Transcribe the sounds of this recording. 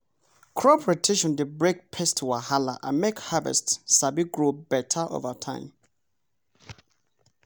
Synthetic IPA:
kʰɹɔpɹetʰeʃɔ̃ndebɹek̚pʰɛstʰuwahala̰ʔã̰nmɛkhavɛ̰stsabiɡɹobɛtʰəʔo̰vətʰã̰ɪ̃m

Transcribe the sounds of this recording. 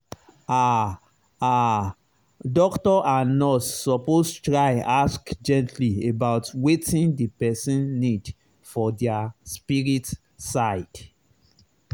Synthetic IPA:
a | a | dɔktɔʔanɔsːɔposttɹajaskd͡ʒɛ̃ntʰliebaʊtwetĩndipɛsĩnːid | fɔdɛaspiɹit | saɪd̥

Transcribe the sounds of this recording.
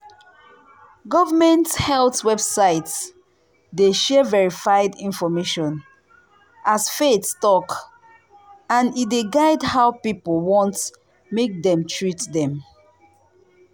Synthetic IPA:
ɡɔvəmɛ̃nthɛltwɛbsaɪts | deʃɛvɛɹifaɪdĩnfɔmeʃɔ̃n | ʔasfetstɔk | ãnideɡaɪdhaʊpipəlˠwɔ̃nt | mek̚dɛ̃mtʰɹitdɛ̃m

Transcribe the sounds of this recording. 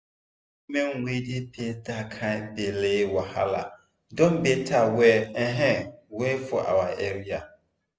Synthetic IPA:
mɛŋwedepʰetakʰabelewaha̰la̰ | dɔmbetʰawɛːɦɛŋwɛfʊʔa̰waʔɛɾia

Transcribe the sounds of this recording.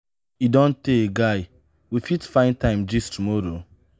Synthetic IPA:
idɔ̃nteeɡaɪ | wifitfãɪ̃ntãɪ̃md͡ʒistumɔɾo

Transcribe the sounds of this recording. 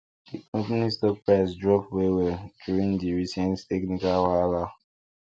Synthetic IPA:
diʔɔ̃tnistɔk̚pɹasdɹɔpwewɛduɹĩŋdiɹisɛ̃nttɛknikalwala

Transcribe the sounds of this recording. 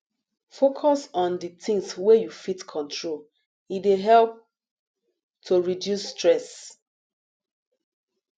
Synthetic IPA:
fokʰɔsɔ̃nditĩŋswejufitkʰɔ̃ntʰɹol | ideɦɛlp̚ | tʰuɹidjusːtɹɛs

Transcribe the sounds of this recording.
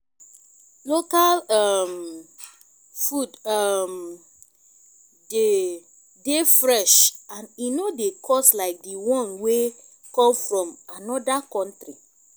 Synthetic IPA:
lokalɔm | fudɔm | de | defɹɛʃãninodekʰɔslaɪk̚diwɔ̃nwe | kɔ̃mfɹɔ̃manɔdakɔ̃ntɹi

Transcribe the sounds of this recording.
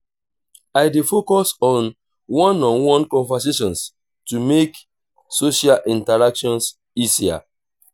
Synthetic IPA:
aɪdefokɔsɔ̃n | wɔ̃nɔ̃nwɔ̃nkɔ̃ɱvas̬eʃɔ̃ns | tumek | soʃalʔĩntaɹakʃɔ̃ns | isia̰

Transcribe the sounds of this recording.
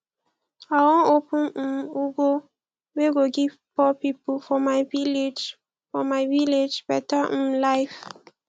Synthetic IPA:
awɔ̃opũuɡo | weɡoɡivpɔpipufɔmaɪviled͡ʒ | fɔmaɪviled͡ʒbɛtalaɪf

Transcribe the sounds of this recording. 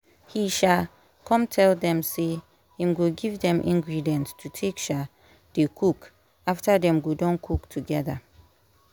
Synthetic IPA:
hiʃa | kʰɔ̃mtʰɛldɛ̃mse | hĩmɡoɡivdɛ̃mʔḭ̃ŋɡɹidiɛ̃nttʰutʰekʃɔ | d̥ekʰuk | aftadɛ̃mɡodɔ̃nkʰuktʰuɡɛða

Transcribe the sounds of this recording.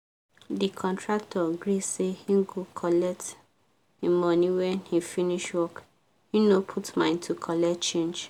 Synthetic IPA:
dikʰɔ̃ntʰɹak̚tʰɔɡɹisehĩɡokʰɔlɛk̚t | ĩmɔ̃niwɛ̃nhifiniʃwɔk | hinopʰutmãɪ̃ntʰukʰɔlɛtt͡ʃẽnd͡ʒ

